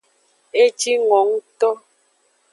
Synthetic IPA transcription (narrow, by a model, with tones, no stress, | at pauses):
e˦t͡ʃi˦ŋɔ˨˦ŋ˦tɔ˦